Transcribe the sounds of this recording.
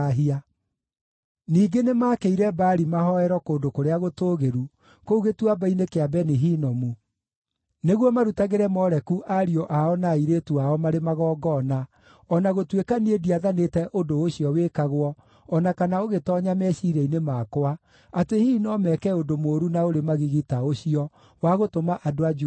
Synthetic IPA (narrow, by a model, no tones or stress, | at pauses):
ɦia | niːɡenemaːkeiɾɛbaːɾimaɦɔɛɾɔkoːndokoɾeaɣotoːɣeɾu | kouɣetwabainekeabɛniɦiːnɔmu | neɣwɔmaɾutaɣeɾɛmɔɾɛkuʔaɾiɔʔaɔnaiɾetuaɔmaɾemaɣɔːɡɔna | ɔnaɣotwekaniediaðanetɛʔodooɕiɔwekaɣwɔ | ɔnakanaoɣetɔɲamɛɕiɾɛinemaːkwa | atehiːnɔmɛkɛondomoːɾunaoɾemaɣiɣitaoɕiɔ | waɣotomaʔadoad͡ʒu